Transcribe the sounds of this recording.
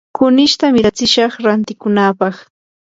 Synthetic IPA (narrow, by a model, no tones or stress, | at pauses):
kʊnɪʃt̪amɪɾat͡sɪʃɑχɾant̪ɪkʊnaːpɑχ